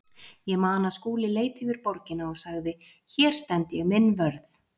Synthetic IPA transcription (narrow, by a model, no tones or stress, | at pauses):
jɛɣmaːnaskuːlɪleːjt̪ɪvɪɾpɔɾcɪnaɔɣsaɣðɪ | çɛːɾ̥st̪ɛnt̪jɛɣmɪnːvœɾθ